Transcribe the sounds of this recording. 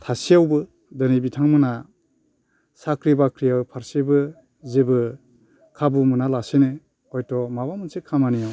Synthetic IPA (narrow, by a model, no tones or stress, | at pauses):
tʰasijawbɯ | dɯnibitʰaŋmɯna | sakɾibakʰɾijawpʰaɾsebɯ | zebɯ | kʰabumɯnalasene | ɔjtɔmabamɯnsekʰamanijaw